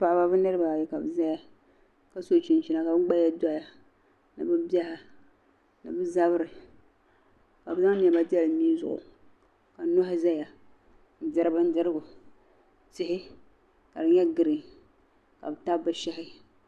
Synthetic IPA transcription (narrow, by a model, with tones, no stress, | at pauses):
pa˨ʔba˦bɨ˦nɨ˦ɾɨ˦ba˨jɛ˨ka˨bɨ˨za˦ja˦ | ka˦so˦˨t͡ʃi˨nt͡ʃi˨˦na˨ka˨bɨ˦ɡ͡ba˦ja˦da˦ja˨ | nɨ̰˨bɨ˦ba˦ha˨ | nɨ˨bɨ˦za˦bɾɪ˨ | ka˨bɨ˨˦za˦ŋ˦n˦˨ɛ˨ba˦di˦ɛ˦lɨ˨niː˦zʊ̰˨ʔʊ̰˨ | ka˨˦no˦hɪ˦za˦ja˨ | n̩˨˦dɨ˦ɾɨ˦bɨ˦n̩˦dɨ˦ɾɨ˦ɡʊ˨ | tɪ˦hɪ˦ | ka˨dɨ˨ɲɛ˦ɡɨ˨ɾɨ˨ | ka̰˨bɨ˨ta˦bbɨ˦ʃɛ˦hɪ˦